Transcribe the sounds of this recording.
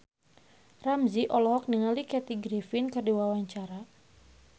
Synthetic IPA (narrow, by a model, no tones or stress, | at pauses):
ramziʔɔlɔɦɔk̚niŋalikɛt̪iɡɾifinkərdiwawaɲt͡ʃaɾa